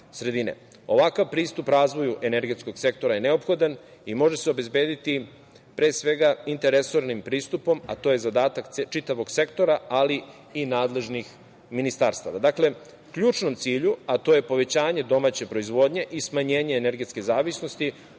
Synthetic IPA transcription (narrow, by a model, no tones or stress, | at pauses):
sɾe̞d̪inḛ | o̞ʋakaʋpɾiːst̪upɾaːzʋo̞juʔe̞neɾɡe̞t̪sko̞ɡ̥se̞k̚t̪o̞ɾajene̞opxo̞d̪an | imo̞ʒeseo̞be̞zbe̞ːd̪it̪i | pɾe̞ːsʋe̞ɡaint̪eɾe̞so̞ɾnimpɾiːst̪upo̞ma̰t̪o̞jezad̪aːt̪akt͡ʃit̪aʋo̞ɡse̞kt̪o̞ɾaali | inaːd̪le̞ʒnix | minist̪aːɾst̪a̰ʋad̪akle̞ | kʎuːt͡ʃno̞mt̪siːʎuat̪o̞ːje̞po̞ʋe̞t͡ɕaːɲe̞d̪o̞mat͡ɕe̞pɾo̞izʋo̞ːd̪ɲe̞ʔismaɲe̞ːɲe̞ːneɾɡe̞t̪ske̞zaːʋisno̞st̪i